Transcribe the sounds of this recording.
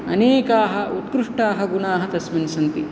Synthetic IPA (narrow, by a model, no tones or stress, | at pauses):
ɐ̰neːkaːɦɐut̪kɾuʂʈaːɦɐɡunaːɦɐt̪ɐsmɐnisɐnt̪i